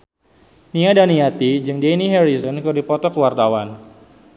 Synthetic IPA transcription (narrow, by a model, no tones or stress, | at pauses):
niadaniat̪id͡ʒɨŋdeniɦɛɾizɔnkɨrdipɔt̪ɔkəwart̪awan